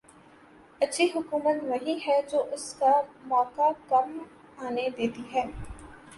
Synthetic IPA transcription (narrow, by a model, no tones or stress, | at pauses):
ɐtːʃʰiɦʊkuːmət̪nɐɦĩɦɛd͡ʒoːʔʊskamɔːkakɐm | aːned̪eːt̪iɦɛː